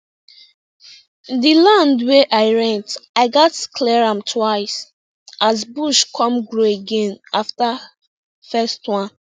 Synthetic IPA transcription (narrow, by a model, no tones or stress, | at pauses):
dilãndweʔaɪɹɛ̃ntaɪɡatkʰlɛɹãmtʰwaɪs | azbuʃkʰɔ̃mɡɹoeɡẽnafta | fɛstwãn